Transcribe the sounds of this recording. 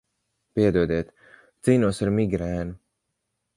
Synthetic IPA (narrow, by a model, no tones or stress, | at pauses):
piɛd̪uɔd̪iːɛt̪ | t̪siːnuɔsaɾmiɡɾæːnu